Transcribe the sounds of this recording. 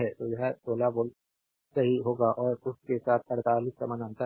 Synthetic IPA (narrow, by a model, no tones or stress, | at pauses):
ɦɛt̪ojɐɦɛsoːlaboːl | sɐɦiɦoːɡaʔɔːɾʊskesaːt̪ʰɐɽt̪aːliːssɐ̰mə̃nãːnt̪ə